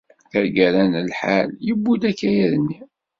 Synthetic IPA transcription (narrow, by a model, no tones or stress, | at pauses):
θəɾɡæɾænəlħa̰ljəbːud̪ækːæjæðənːi